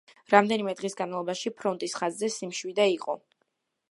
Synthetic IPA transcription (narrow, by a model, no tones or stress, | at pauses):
ɾamd̪ɛnimɛd̪ʁisɡanmalˠɔbaʃipʰɾɔnt̪ʼisχazːɛsimʃwid̪aiqʼɔ